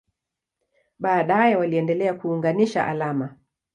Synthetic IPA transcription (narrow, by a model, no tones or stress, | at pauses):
ɓaːɗajɛwaliɛndɛlɛakuːŋɡaniʃa̰ʔa̰lama